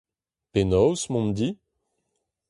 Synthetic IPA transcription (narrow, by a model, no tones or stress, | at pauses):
penɔwsmɔ̃md̪i